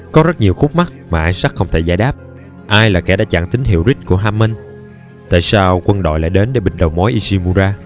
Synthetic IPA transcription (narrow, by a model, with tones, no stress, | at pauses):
kɔ˨˦zə˦˥t̚ɲi˨˩əwxʊ˦˥k͡p̚ma˦˥k̚maː˨˩ʔaː˧jŋ̟sa˦˥k̚xə˧wŋ͡mt̪ʰe˧˩zaː˧˩jɗaː˦˥p̚ | ʔaː˧jlaː˨˩kɛ̰˧˩ɗa̰ː˧˦t͡ɕa̰ː˧˨ŋt̪ï˨˦ŋ̟hḭ˧˨əwzi˦˥k̟̚ku˧˩əɦaː˧mːə˧n | t̪a̰ː˧˨jsaː˧wkwə˧nɗo̰˧˨jla̰ː˧˨jɗe˨˦nɗe˧˩ɓï˨˩ŋ̟̚ɗə˨˩wŋ͡mmɔ˨˦jʔi˧si˧mu˧zaː˧